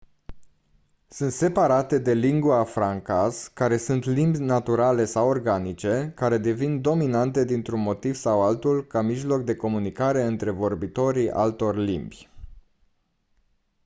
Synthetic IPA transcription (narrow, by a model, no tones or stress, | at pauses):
sɨnt̪se̞paɾat̪e̞d̪e̞liŋɡuafɾaŋkaskaɾe̞sunt̪limbʲnat̪uɾale̞sawo̞rɡanit͡ʃe̞kaɾe̞d̪e̞vind̪o̞minant̪e̞d̪int̪ɾunmo̞t̪iv̥sawalt̪ulkamiʒlo̞k̚d̪e̞ko̞munikaɾe̞ɨnt̪ɾe̞vo̞rbit̪o̞ɾiʔa̰lt̪o̞rʲlḭmbʲj